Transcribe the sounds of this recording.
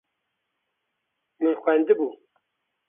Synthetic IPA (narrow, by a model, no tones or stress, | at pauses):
mɨnxʷænd̪ɨbuː